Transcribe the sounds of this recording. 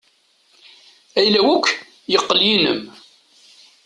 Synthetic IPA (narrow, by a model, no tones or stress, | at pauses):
æjlæwukʷː | jəqːəljinə̰m